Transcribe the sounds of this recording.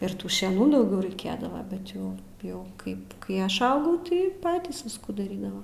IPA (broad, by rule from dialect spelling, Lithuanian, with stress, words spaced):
ɪr ˈtuː ʃʲɛˈnuː dɐʊˈɡʲɛʊ rɐɪˈkʲeːdɐʋɐ bʲɛt ˈjɛʊ jɛʊ ˈkɐɪp kɐɪ ˈɐʃ ˈɐʊɡɐʊ tɐɪ ˈpɑːtʲiːs ˈʋʲɪskuː dɐˈrʲiːdɐʋɐ